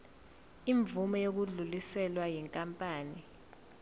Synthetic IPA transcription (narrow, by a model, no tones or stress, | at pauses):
iɱbvumɔjok̬uɮulisɛlwajiŋkʼampʼaːni